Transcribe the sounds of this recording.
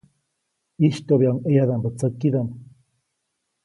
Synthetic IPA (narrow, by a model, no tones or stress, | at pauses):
iʃt̪oβjaŋejad̪ambət͡səkːid̪am